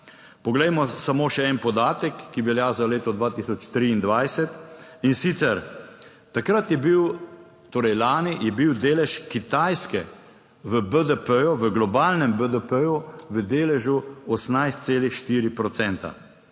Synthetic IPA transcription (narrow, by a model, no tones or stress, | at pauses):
pɔɡlɛjmɔsamoːʃɛɛnpɔd̪aːt̪ɛkːiʋɛljaːzaleːt̪ɔd̪ʋaːt̪isɔt͡ʃt̪ɾiːnd̪ʋajsɛt̪insit̪sɛɾ | t̪akɾat̪jɛbiw | t̪oːɾɛjlaːnijɛbiwd̪eːlɛʃkit̪ajskɛ | ʋəbəd̪əpəjɔʋəɡlɔbaːlnɛmbəd̪əpəjuʋəd̪eːlɛʒuɔsnajst̪seːlixʃt̪iːɾipɾɔt̪sɛnt̪a̰